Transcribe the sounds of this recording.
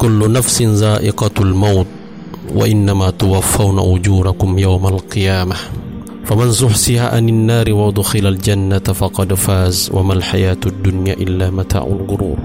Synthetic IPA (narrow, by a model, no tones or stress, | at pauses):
kʊlːʊnafsɪnzaːʔɪqɑalmawt̪̚ | wa̰ʔɪnːamaːt̪ʊwafːawna̰ʔʊd͡ʒuːɾakʊmjawmalqɨjaːma | famansʊħsɪha̰ʔa̰nanːaːɾɪwad̪ˤʊxɪlald͡ʒanːat̪fɑqɑd̪faːzwʔa̰malħajaːt̪ʊd̪ːʊnja̰ːʔɪlːaːmat̪a̰ːʕʊ̰lɡʊɾṵːb